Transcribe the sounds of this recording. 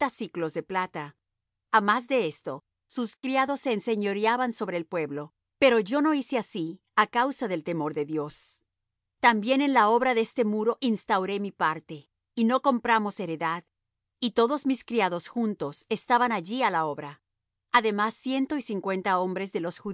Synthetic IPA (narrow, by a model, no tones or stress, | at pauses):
asiklo̞zðe̞plat̪a | amazðe̞est̪o̞ | suskɾjaðo̞sːe̞ːnse̞ɲo̞ɾjaβanso̞βɾe̞ːlpwe̞βlo̞ | pe̞ɾo̞ʝo̞no̞iseasi | akawsaðelt̪e̞mo̞ɾðe̞ðjo̞s | t̪ambje̞ne̞nlao̞βɾaðeest̪e̞muɾo̞ʔinst̪awɾe̞mipaɾt̪e̞ | ino̞ko̞mpɾamo̞se̞ɾe̞ðað | it̪o̞ðo̞zmiskɾiaðo̞sxunt̪o̞se̞st̪aβanaʝialao̞βɾa | aðe̞masːje̞nt̪o̞isiŋkwe̞nt̪ao̞mbɾe̞zðe̞lo̞sxu